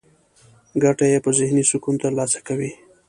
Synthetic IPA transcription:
ɡaʈajepəzɪhnisʊkunt̪alɑsḁkawi

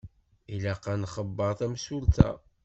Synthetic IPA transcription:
ilæqːænχəbːəɾˤθæmsult̪æ̰

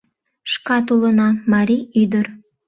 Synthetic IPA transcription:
ʃkɑt̪ulənɑmɑɾʲiyd̪ər

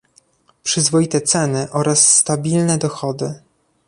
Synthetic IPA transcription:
pʂɘzvɔjit̪ɛt̪sɛnɘʔɔɾasːt̪abʲilnɛd̪ɔxɔd̪ɘ

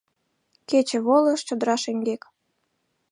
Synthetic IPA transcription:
ket͡ɕĕβoləʃt͡ɕod̪əɾɑʃeŋɡek

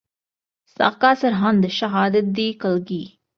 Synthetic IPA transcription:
sa̰ːkaːsɐɾɦɐ̃nd̪ʃɐɦaːd̪ət̪̚d̪iːkɐlɡiː

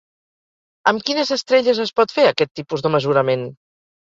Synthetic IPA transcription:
əmkinəzəst̪ɾeʎəzəspɔt̪feəkɛt̪ːipuzðəməzuɾəmen

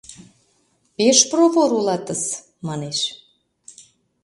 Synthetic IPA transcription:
peʃproβoɾulɑt̪əs | mɑneʃ

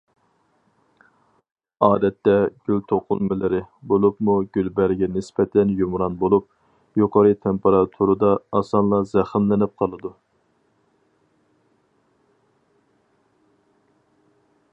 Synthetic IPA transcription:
ɑːd̪ɛt̪ːɛɡʲylt̪ʰoqʰʊ̰lˠmɪlɪɾɪbolˠupmuɡʲylbæɾɡʲɛnɪspɛt̪ʰɛnjumɾɑnbolˠup̚ | joqʰɑɾɨt̪ʰempeɾɑt̪ʰuɾɨd̪ɑːsɑnlˠɑzɛχɪmlɪnɪp̚qʰɑlˠɨd̪u

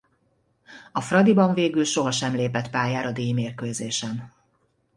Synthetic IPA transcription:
ɒfrɒd̪ibɒɱveːɡylʃo̞ɦɒʃɛmleːpɛt̪paːjaːɾɒd̪eːmeːrkøzeːʃɛn

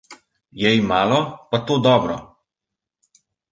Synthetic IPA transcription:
jɛimaːlɔpat̪oːd̪ɔːbɾɔ

